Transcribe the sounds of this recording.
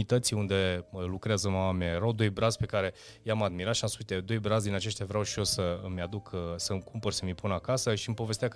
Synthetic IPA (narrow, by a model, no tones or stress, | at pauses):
it̪ət̪siund̪e̞lukɾeazəmamameaeɾawd̪o̞jbɾat̪zpe̞kaɾe̞ | jamad̪miɾat̪ʃiamspuzit̪ed̪o̞jbɾat̪zd̪inat͡ʃe̞st̪javɾeawʃio̞səmʲad̪ukʰsəmkʰumpərsəmipunakasəʃiɨmpo̞ve̞st̪ea